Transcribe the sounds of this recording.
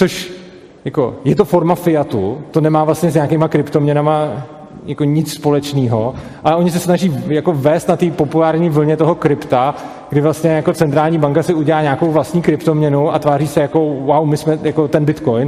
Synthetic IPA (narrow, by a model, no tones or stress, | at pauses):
t͡soʃ | jako̞jɛt̪o̞fo̞ɾmafɪjat̪ṵt̪o̞nɛmaːvlastɲɛzɲaːkemakɾɪpt̪o̞mɲɛnama | jako̞ɲɪt͡sspo̞lɛt͡ʃniːɦoʔalɛʔo̞ɲɪs̬ɛsnaʒiːjako̞vɛːst̪nat̪iːpo̞pulaːɾɲiːvl̩ɲɛt̪o̞ɦokɾɪpt̪a | ɡ̥dɪvlast̪ɲɛjako̞t͡sɛnt̪ɾaːlɲiːbaŋkasɪuɟɛlaːɲaːkowvlast̪ɲiːkɾɪpt̪o̞mɲɛnuʔa̰t̪vaːriːsɛjako̞wawmɪsmɛjako̞t̪ɛnbɪt̪kojn